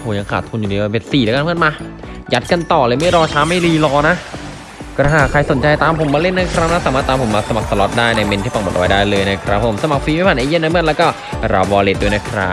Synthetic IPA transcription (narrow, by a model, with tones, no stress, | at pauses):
pʰo˨˩˦ja˧ŋkʰaː˨˩t̪̚ʰu˧nju˨˩iː˧˩be˧˩siː˨˩leː˧˦ka˧nmʰɯ˥˩nmaː˧ | ja˦˥t̪̚ka˧nt̪ɔː˨˩lɤː˧jma˥˩jɾɔː˧t͡ɕʰaː˦˥ma˥˩jliː˧˩lɔː˧na˦˥ | kɔ˧˩aː˧˩kʰɾa˧jso˨˩˦nt͡ɕa˧jt̪aː˧mpʰo˨˩˦mːaː˧le˥˩nːa˧˥jkʰɾa˦˥wnaː˧˥saː˨˦maː˥˩t̪aː˧mpʰo˩˦maː˧sa˧ma˨˩k̚sa˧lɔ˦˥t̪̚daː˥˩jna˧˥˩me˧nt̪iː˥˩pa˧˩mo˨˩ʔa˧wa˧˦jdaː˥˩jlɤː˧jna˦˥˩kʰɾa˦˥p̚ʰːmsa˧ma˨˩k̚fiː˧ma˥˩pʰaː˨˩ʔeː˧je˥˨na˧˥mɯ˥˩t̪lɛː˦˥kɔː˥˩ | ɾa˧bɔː˧leː˦˥t̪̚duː˧na˦˧˥jkʰɾa˦˥